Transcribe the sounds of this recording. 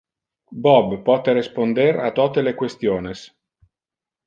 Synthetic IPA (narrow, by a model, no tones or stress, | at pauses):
bɔbpːɔːt̪eɾespond̪eɾat̪ːɔt̪elekwest̪joːnes